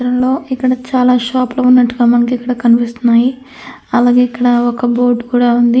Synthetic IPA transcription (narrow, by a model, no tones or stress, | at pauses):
ɾɐmlo̞ːikːɐɽɐt͡ʃaːlaːʃaːpluunːɐʈːuɡaːmɐnɐkikːɐɽɐkɐnipist̪unːaːji | ɐlaːɡe̞ːikːɐɽɐɔkɐbo̞ːʈkuːɽaːund̪i